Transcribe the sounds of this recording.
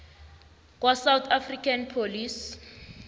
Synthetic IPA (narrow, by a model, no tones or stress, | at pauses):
k̬wasawt̪ʰafrikʰanpʰolis